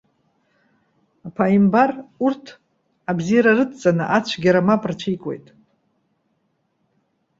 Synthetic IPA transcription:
apʰaimbarurtʰ | abzijɾarɨtʰt͡sʼanɨʔat͡ɕʷʰɡʲaɾamapʼrt͡ʃʷʰijkʼe̞̰jtʼ

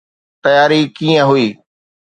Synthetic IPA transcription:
t̪ɐjaːɾikiːə̃ɦʊiː

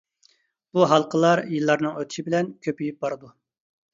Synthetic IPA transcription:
b̥uɦɑlˠqʰəlˠɑɾjilˠːɑɾnɨŋøt̪ʰɪ̥ʃibɪlɛnkʲʰøpijip̚bɑɾɨd̪u

